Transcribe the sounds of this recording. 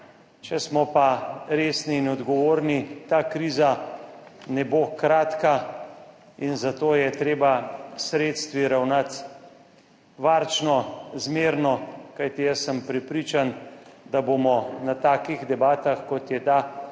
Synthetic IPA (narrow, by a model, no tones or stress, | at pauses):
t͡ʃɛsmɔpaɾeːsniːnɔd̪ɡɔʋoːɾnit̪aːkɾiːza | nɛbokɾaːt̪ka | inzat̪oːjɛt̪ɾeːbasɾeːt̪st̪ʋiɾawnat̪ | ʋaɾt͡ʃnɔzmeːɾnɔkajt̪ijəsːəmpɾɛpɾiːt͡ʃand̪aboːmɔnat̪aːkiɣd̪ɛbaːt̪axkɔt̪jɛt̪a